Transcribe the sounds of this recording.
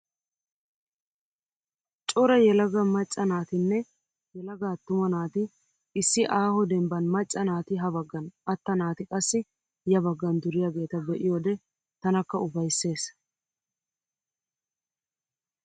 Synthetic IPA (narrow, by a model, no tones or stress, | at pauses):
t͡ʃʼɔɾɐjɛlɐɡɐmɐt͡ʃʼːɐnaːt̪ɪnːɛ | jɛlɐɡaːt̪ːʊmɐnaːt̪ɪ | ɪsːɪʔaːhɔd̪ɛmbɐnmɐt͡ʃʼːɐnaːt̪ɪɦɐbɐɡːɐnʔɐt̪ːɐnaːt̪ɪkʼɐsːɪ | jɐbɐɡːɐnd̪ʊɾɪjaːɡe̞ːt̪ɐbɛʔɪjoːd̪ɛ | t̪ɐnɐkːɐʊbɐjsːe̞ːs